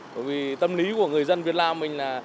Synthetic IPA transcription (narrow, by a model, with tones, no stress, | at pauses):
ɓə̰ː˧˨jvi˨˩t̪ə˧mli˨˦ku˧˩əŋɨ˨˩əjzə˧nvi˨˩ət̚laː˧mːï˨˩ŋ̟laː˨˩